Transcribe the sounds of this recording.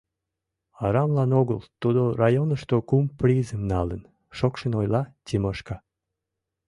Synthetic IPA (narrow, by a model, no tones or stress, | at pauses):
ɑɾɑmlɑnoɣəlt̪ud̪orɑjonəʃt̪okumprizəmnɑlən | ʃokʃənojlɑtʲiməʃkɑ